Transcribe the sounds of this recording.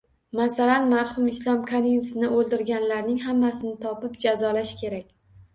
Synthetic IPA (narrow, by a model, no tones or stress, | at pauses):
masalanmaɾhʊmɪslˠɒmkʰaɾimefnɪolˠd̪ɪɾɡʲanlaɾnɪŋɦamːasɪnɪt̪ʰɒpɪpd͡ʒazɒlaʃkʲʰe̞ɾakʲ